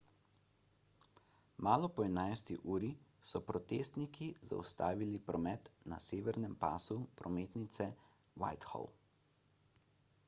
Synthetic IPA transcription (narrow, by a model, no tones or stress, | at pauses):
maːlɔpɔɛnajst̪iʔuːɾisɔpɾɔt̪eːst̪nikiza̰ust̪aːʋilipɾɔmɛt̪na̰seːʋɛɾnɛmpaːsupɾɔmeːt̪nit̪sɛ | wa̰jt̪xɔ̰l